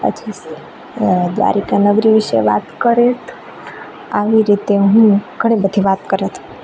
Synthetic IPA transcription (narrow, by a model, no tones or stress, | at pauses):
ə̰d͡ʒis | d̪ʋa̰ɾikanəɡɾiʋiʃḛʋa̰t̪kəɾet̪ʰ | aʋiɾit̪eɦũɡʱəɽ̃ibəd̪ʱiʋat̪kəɾet̪ʰũ